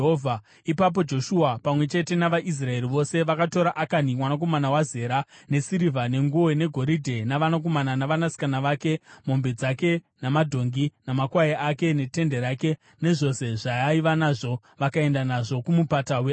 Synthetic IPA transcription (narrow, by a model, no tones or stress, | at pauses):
ɦovʱa | ipap̬o̞d͡ʒo̞ʃuapamwe̞t͡ʃe̞te̞naʋaʔis̬rae̞ɾiʋo̞se̞ʋakato̞ɾaʔakanimwanak̬o̞manawaze̞ɾane̞siɾivane̞ŋɡuone̞ɡʱo̞ɾidʱe̞naʋanak̬o̞mananaʋanasi̥kanaʋake̞mo̞mbed͡zake̞ | namadʱo̞ŋɡinamakwajeʔake̞ne̞te̞nde̞ɾake̞ | ne̞ʐo̞se̞ʐaaiʋanaʐo̞ | ʋakae̞ndanaʐo̞kumupatawe